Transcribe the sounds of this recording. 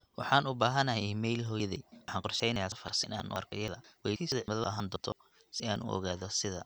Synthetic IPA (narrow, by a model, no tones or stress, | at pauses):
wɑ̰ħɑːnʊbaːɦɐnɐɦɛmɛjlɦɔjðɛħɑːŋqɔrʃɛjnɐjaːfɐrsɪɪna̰ːnʔɔ̰ːrkʰɔjɐðɐwɛjʰisðɐʕmɐðɐʔɐɦaːnd̪ɔːt̪ʰɔ | sɪaːnʔʊ̰ʔɔ̰ɣaːðɔsɪðɐ